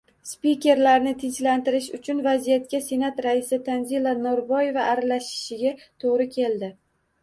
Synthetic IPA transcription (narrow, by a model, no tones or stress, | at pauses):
spikʲe̞ɾlaɾnɪt̪ʰɪnt͡ʃlant̪ɪɾɪʃʊt͡ʃʰʊnvazijat̪̚kʲase̞nat̪ɾaɪsɪt̪ʰanzilˠanoɾbɒje̞vaʔːɾalaʃɪ̥ʃɪɡʲat̪ʰoʁɾɪkʲʰe̞ld̪ɪ